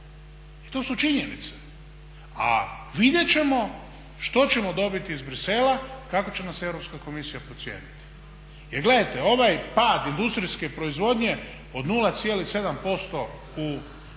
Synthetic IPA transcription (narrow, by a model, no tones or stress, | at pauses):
it̪o̞ːsut͡ʃiɲenit̪se̥ | a̰ʋid̪je̞t͡ɕe̞mo̞ | ʃt̪o̞t͡ɕe̞mo̞d̪o̞bit̪iːzbɾise̞lakako̞t͡ɕe̞nase̞vɾopskako̞misijapɾot̪sje̞̰ːnit̪i̥ | jeɾɡle̞d̪ajt̪e̞o̞ʋajpaːd̪ind̪ust̪ɾiske̞pɾo̞izʋo̞d̪ɲe̞ | o̞d̪nulˠat̪sjelixse̞d̪ampo̞st̪o̞ | u